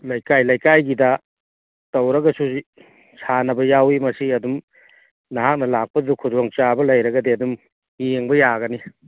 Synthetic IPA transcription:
lɐjkajlɐjkajɡidɐ | tɐwɾɐɡɐsuzi | sʰanɐbɐjawimɐsiɐdum | nɐɦak̚nɐlak̚pɐdukʰudwoŋt͡ʃabɐlɐjɾɐɡɐdeɐdum | jeŋbɐjaɡɐni

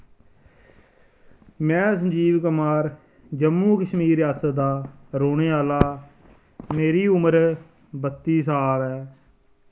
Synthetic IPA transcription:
mɛ̃ːsəd͡ʒiːʋkəmaːɾ | d͡ʒəmːũːkəʃmiːɾjaːsət̪d̪aːɾoːɳeːaːlaː | meːɾiːʊməɾ | bət̪ːiːsaːʋɛː

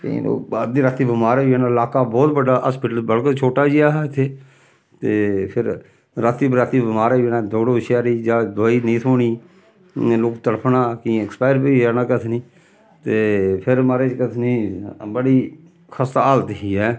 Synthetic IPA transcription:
t̪ḛ̃lo̰ːad̪iːɾat̪iːbɪmaːɾaːɛːnalaːkaːbɔːt̪bəɖaːaspɪʈəlbəlkət͡ʃʰoːʈaːd͡ʒiaːɦt̪ʰeː | t̪eːpʰɪɾ | ɾat̪iːbɾaːt̪iːbɪmaːɾaːeːnaːd̪oːɽoːʃjaːɾiːd͡ʒaːd̪ːiːnĩːt̪ʰoːɳiː | loːkt̪əɽpʰnaːkĩɪkspaːɪɾbiːɛːnaːkət̪ʰniː | t̪eːpʰɪɾmaːɾeːt͡ʃkət̪ʰniːbəɽiː | kʰəst̪aaːlt̪ɦiːɦɛː

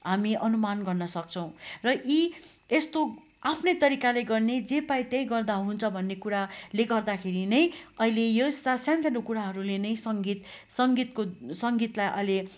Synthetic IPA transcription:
ɦamiʔʌnumanɡʌrnʌsʌk̚t͡sʰʌw̃rʌʔi | est̪o | apʰnʌjt̪ʌɾikalejɡʌrned͡zepaĩt̪jʌj̃ɡʌrd̪aɦunt͡sʰʌbʱʌnːekuɾaleɡʌrd̪akʰeɾinʌjʌilejosasjãnt͡sʌnukuɾaɦʌɾulenʌj̃sʌŋɡit̪ | sʌŋɡit̪kosʌŋɡit̪lajʔʌ̰jle

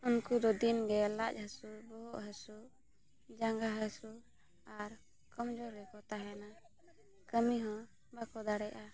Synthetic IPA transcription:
unkud̪ɔd̪inɡɛlac̚ˀhəsubɔɦɔʔɦəsu | d͡ʒaŋɡaɦəsu | aɾ | kɔmd͡ʒɔɾːɛkɔt̪aɦɛna | kəmiɦɔ̃ | bakɔd̪aɽɛʔa

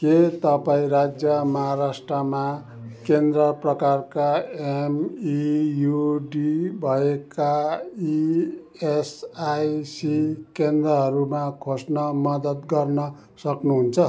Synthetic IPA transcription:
ket̪ʌpaĩrad͡zjʌmʌɦaɾasʈrʌma | kend̪rʌprʌkarkaemijuɖibʱʌekai | esajsikend̪rʌɦʌɾumakʰosnʌmʌd̪ʌt̪ɡʌrnʌ | sʌknuɦunt͡sʰʌ

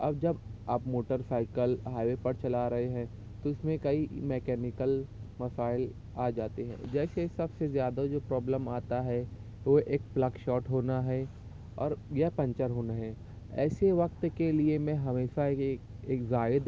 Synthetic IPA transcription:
ɐ̰bd͡ʒɐbaːpmoːʈəɾsaːɪkəlɦaːʋepɐɾt͡ʃɐlaɾɐɦeɦɛ̃ː | t̪oɪsmẽkɐimɛːkɛːnɪkəlmɐsaːɪl | aːd͡ʒaːt̪eɦɛ̰̃ːd͡ʒɛːsesɐbsezjaːd̪ad͡ʒoːpɾɔːbləmaːt̪aɦɛ | ʋoʔeːk̚plɐɡʃɔːʈɦoːnaɦɛ | ɔ̰ːɾjɐpɐ̃ɲt͡ʃəɾɦoːnaɦɛ | ɛ̰ːseʋɐk̚t̪keliemẽɦɐmeːʃa | eːkzaːɪd̪

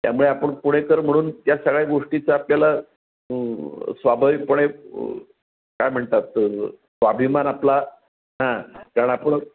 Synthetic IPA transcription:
t̪ja̰muɭeapəɳpuɽ̃ekəɾm̤əɽ̃uːnt̪jasəɡɭjaɡoʂʈit͡saːpljala | sʋabʱaʋik̚puɽ̃e | kajm̤əɳt̪at̪ | sʋabʱimanapla | ɦãkaɾəɳapəɳ

